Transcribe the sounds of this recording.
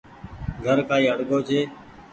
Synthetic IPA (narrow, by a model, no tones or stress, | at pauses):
ɡʱəɾkaːiːəɽɡoːd͡ʒʰeː